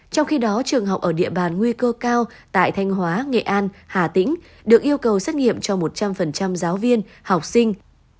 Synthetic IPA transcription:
t͡ɕɔ˧wŋ͡mxi˧ɗɔ˨˦t͡ɕɨ˨˩əŋɦa˨˩wk͡p̚ʔəː˧˩ɗḭ˧˨əɓaː˨˩nŋwi˧kəː˧kaː˧w | t̪a̰ː˧˨jt̪ʰa˧jŋ̟ɦwaː˨˦ŋḛ˧˨ʔaː˧nhaː˨˩t̪ï˧˥ŋ̟ | ɗɨ˨˩ək̚ʔi˧əwkə˨˩wsaː˦˥t̚ŋḭ˧˨əmt͡ɕɔ˧mo˨˩t̚t͡ɕa˧mfə˨˩nt͡ɕa˧mzaː˨˦wvi˧ən | ha˨˩wk͡p̚sï˧ŋ̟

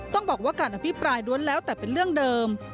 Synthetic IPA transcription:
t̪ɔ˥˩ŋbɔː˨˩k̚waː˥˩kaː˧nʔa˧˩pʰi˦˥pɾaː˧jdu˧˥ənlɛː˦˥wt̪ɛː˨˩pe˧nɾɯ˥˩əŋdɤː˧m

